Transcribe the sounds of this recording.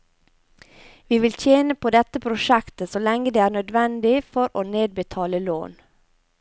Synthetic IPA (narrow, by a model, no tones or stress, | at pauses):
ʋiːʋɪlt̪ʰjeːnəpʰoːd̪ɛt̪əpʰɾʊʃɛkt̪əsɔlɛŋːəd̪eːæːɳœd̪ʋɛnd̪ɪfɔɾoːneːd̪̚bət̪ʰɑːləlo̰ːn